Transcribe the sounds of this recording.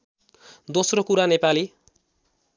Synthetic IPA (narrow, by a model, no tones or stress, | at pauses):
d̪osrokuɾanepali